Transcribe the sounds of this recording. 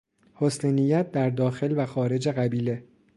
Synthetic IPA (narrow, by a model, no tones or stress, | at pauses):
hosnenijæt̪̚d̪æɾd̪ɒːxe̞lvæxɒːɾe̞d͡ʒeɣæbiːle̞